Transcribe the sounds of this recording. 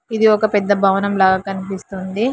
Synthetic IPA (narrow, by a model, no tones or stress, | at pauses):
id̪iɔkɐpɛd̪ːɐbʱɐʋɐnɐmlaːɡɐkɐnipist̪und̪i